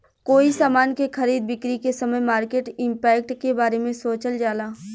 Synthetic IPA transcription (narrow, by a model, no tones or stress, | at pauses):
koːisaːmaːnkexʰɐɾiːd̪̚bɪkɾikesəməjmaːɾkeːʈɪ̃mpɛːkʈkebaːɾemẽsoːt͡ʃəld͡ʒaːlaː